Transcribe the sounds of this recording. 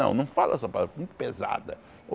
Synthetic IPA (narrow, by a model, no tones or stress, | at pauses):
ɐ̰̃w̃nɐ̃w̃falɛsɐpaaɐmũj̃t̪ʊ̥peza̰d̪ɐ̰ | o